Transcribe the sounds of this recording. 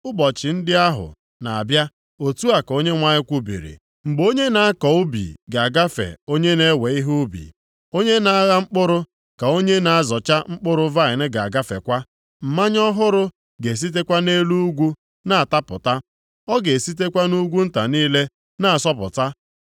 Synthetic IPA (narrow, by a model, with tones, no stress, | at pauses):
ʊ˦bɔ˨t͡ʃɪ˨n̩˦dɪ˦a˦ɦʊ̰˨ | na˨a̰˨bja˦ | o˨tu˦a˨ko˦ɲe˦ŋʷa˦ɲɪ˦kʷu˦bḭ˨ɾḭ˨ | ŋ͡m̩˨ɡ͡bo˦ɲe˦na˨a˦kɔ˨ʊ˦bḭ˨ɡa˨a˨ɡa˦fḛ˨o˦ɲe˦ne˦we˨i˦ɦu˦bḭ˨ | o˦ɲe˦na˦a˦ɣa˦ŋ͡m̩˦k͡pʊ˦ɾʊ˦ | ka˨o˦ɲe˦na˨a˦zɔ˨t͡ʃa˦ŋ͡m̩˦k͡pʊ˦ɾʊ˦va˦˨ɪ˨nɪ˦ɡa̰˨a˨ɡa˦fḛ˨kʷa˦ | m̩˨ma˦ɲ˦ɔ˦ɦʊ˦ɾʊ˦ | ɡe˨s̬i˦t̬e˦kʷa˦ne˦lu˦ɡʷu˦ | na˦a˨ta˦pʊ̰˨ta˦ | ɔ˦ɡe˨si˦t̬e˦kʷa˦nu˦ɡʷu˦n̩˦ta˨niː˦le˦ | na˦a˨sɔ˦pʊ̰˨ta˦